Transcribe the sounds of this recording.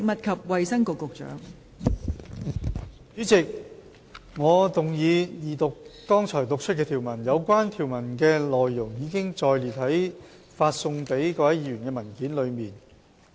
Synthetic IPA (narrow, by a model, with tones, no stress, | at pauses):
k̚mɐ˨t̚kʰɐ˨p̚wɐ˨jsɐ˥ŋkʊ˨kːʊ˨k̚t͡ʃœ̰ː˨˥ŋ | t͡syː˨˥t͡sɪ˨k̚ | ŋɔː˨˧t̪ʊ˨ŋjiː˨˧jiː˨t̪ʊ˨kː | ɔː˥ŋt͡ʃʰɔː˨˩jt̪ʊ˨k̚t͡ʃʰɵ˥t̚kɛː˧t̪ʰiː˨˩wmɐ˨˩njɐ˨˧wkwaː˥nt̪ʰiː˨˩wmɐ˨˩nkɛː˧lɔː˨jːʊ˨˩ŋjiː˨˧kɪ˥ŋt͡ʃɔː˧jliː˨˩t̚hɐ˨˥j | faː˧t̚sʊ˧ŋpe˨˥jkɔː˧hɐ˦˥jiː˧ɥyː˨˩nkɛː˧mɐ˨˩nkiː˨˥nlɵ˨˧ɥmiː˨n